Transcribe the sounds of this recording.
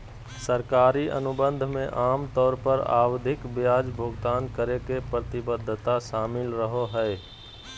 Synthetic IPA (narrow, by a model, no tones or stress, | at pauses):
səɾkaːɾiʔə̰nʊbə̃nd̪ʱmḛ̃ʔaːmt̪ɔːɾpəɾa̰ːwd̪ʱɪkbjaːd͡ʒbʱʊɡt̪aːnkəɾekepɾət̪ɪbəd̪ʱːt̪aʃaːmɪlɾəɦoɦɛe